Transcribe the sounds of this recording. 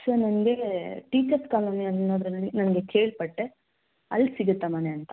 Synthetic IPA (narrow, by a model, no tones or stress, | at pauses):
sɐnɐnɐɡe̞ʈiːt͡ʃɐɾskaːlɐmiɐnːoːd̪ɾɐnɐlːinɐnɐɡe̞kʰe̞ːɭpɐʈːe | ɐ̰lːsiɡut̪ːɐmɐneɐnt̪ɐ̥